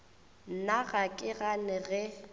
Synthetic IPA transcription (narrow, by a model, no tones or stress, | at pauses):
n̩naɣakʼɪɣanɪɣɛ